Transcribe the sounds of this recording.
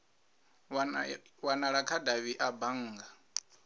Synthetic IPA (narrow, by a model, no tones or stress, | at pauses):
wanaɺakʰadaβiʔabaŋ̩ːɡa